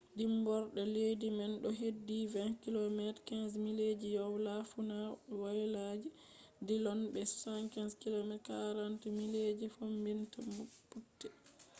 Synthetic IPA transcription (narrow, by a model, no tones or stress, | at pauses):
dimbɔɾɗɔledimɛnɗɔɦedːivɛnkilomɛtkɛnsmiled͡ʒijɔwlafunawajlad͡ʒi | dilɔnbɛsu̥sankɛnskilomɛtkaɾantimiled͡ʒifombintamupːutːɛ